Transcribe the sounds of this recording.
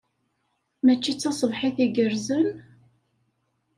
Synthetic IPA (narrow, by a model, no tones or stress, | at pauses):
mæt͡ʃːit͡sːɑsˤəvħiθiɡəɾzən